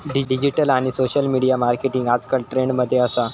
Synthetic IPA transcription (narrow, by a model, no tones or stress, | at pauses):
ɖiɖid͡ʑiʈəlaɽ̃isoɕəlmiɽijamaɾkeʈiŋɡad͡zkəlʈɾeɳɖməd̪ʱːjeəsa